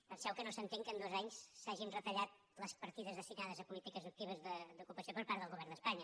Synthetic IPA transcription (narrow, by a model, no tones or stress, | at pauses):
pənsɛwkənosənt̪eŋkənd̪ozaɲsːaʒinrət̪əʎat̪̚ | ləspəɾt̪iðəzðəst̪inaðəzəpulit̪ikəzuk̚t̪iβ̞əzðəd̪ukupəsiopəɾpaɾðəlˠɣuβɛrnd̪əspaɲə